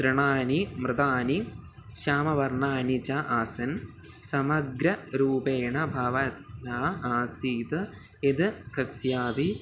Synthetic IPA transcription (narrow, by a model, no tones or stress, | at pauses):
sɾɨɳaːnimɾɨd̪aːni | ʃaːmɐʋɐrɳaːnit͡ɕaʔaːsɐn | sɐmɐɡɾɐɾuːbeːɳɐbʱɐʋɐnaːaːsiːt̪ɨ | ed̪ɨkɐsjaːʋi